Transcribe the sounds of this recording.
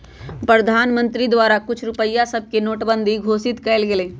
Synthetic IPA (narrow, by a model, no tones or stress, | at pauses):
pɾəd̪ʱaːnmə̃nt̪ɾid̪waːɾakʊt͡ʃʰɾʊpəjːasəb̚ʱkenoːʈbə̃nd̪ʱiɡʱoːsɪt̪kɛɪlɡelẽː